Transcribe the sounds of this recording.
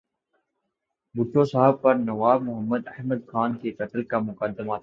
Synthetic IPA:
bʊʈʰːõsaɦəb̚pɐɾnɐʋaːbmʊɦəmːəd̪ɐhməd̪xaːnkekəʈ̪əlkamʊkəd̪ːəma

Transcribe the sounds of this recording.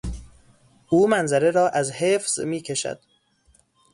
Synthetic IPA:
ʔuːmænzæɾeɾɒːʔæzheːfz̥miːcʰeʃæ̰d̪̥

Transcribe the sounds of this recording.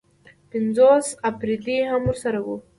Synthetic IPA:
pɪnd͡zosapɾid̪iɦamwuɾsaɾawu

